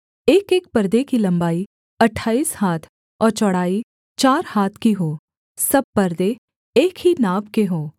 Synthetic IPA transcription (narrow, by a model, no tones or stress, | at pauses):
eːkeːk̚pɐɾd̪ekilɐ̃mbaːi | ɐʈʰaːiːshaːt̪ʰ | ɔːɾt͡ʃɐɽ̤aːi | t͡ʃaːɾhaːt̪ʰkiɦoː | sɐb̚pɐɾd̪e | eːkɦinaːbkeɦoː